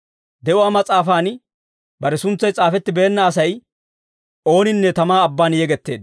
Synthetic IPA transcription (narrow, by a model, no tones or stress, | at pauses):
d̪ɛʔʊwaːmɐt͡sʼaːfaːn | bɐɾɛsʊnt͡sːɐjt͡sʼaːfɛt̪ːɪbeːnːɐːsɐj | o̞ːnɪnːɛt̪ɐmaːɐbːaːnjɛɡɛt̪ːe̞ːd̪